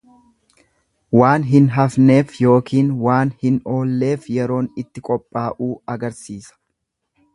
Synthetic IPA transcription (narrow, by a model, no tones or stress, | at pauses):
waːnɦɪnɦɐfne̞ːfjo̞ːkʰiːnwaːnhɪno̞ːlːe̞ːfjɛɾo̞ːnɪt̪ːɪkʼɔpʼːaːʔuːɐɡɐɾsiːsɐ̥